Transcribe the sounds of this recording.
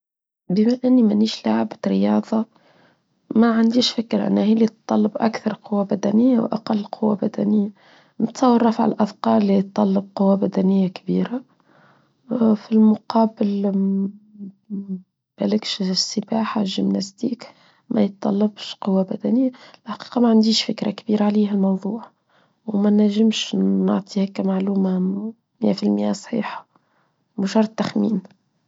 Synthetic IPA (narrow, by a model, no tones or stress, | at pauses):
bəmaʔɪnːimænːiːʃlaʕbt̪ɾɪjɑːðˤɑ | maʕand̪iːʃfɪkːɾʔɪ̰nːæhilit̪ˤːɑlːɑbʔæ̰kθɑɾˤqʊwːabæd̪ænɪjːawʔa̰qɑlːqʰʊwːabæd̪æ̰nɪjːa | mət̪sˤɑwːɑrˤːɑfʕalʔɑθqɑːɾːijt̪ˤːɑlːɑb̚qʊwːabæd̪ænɪjːakbḭːɾa | filmʊqɑːbəl | b̥ælɪkʃsəbaːħaʒəmnæst̪iːk | mʔæ̰jət̪ˤːɑlːɑbʃqʊwːabæd̪ænɪjːalħḁqi̥ːqɑmæʕand̪iːʃfɪkɾa̰kbiːɾaʕliːɦælmɑwðˤuːʕ | wmænːæʒɪmʃnʊʕt̪ˤʰiːhækːæmaʕluːma | mɪjæfilmɪʔæsˤħḭːħɑ̥ | mʊʃɑɾˤt̪ːæxmḭːn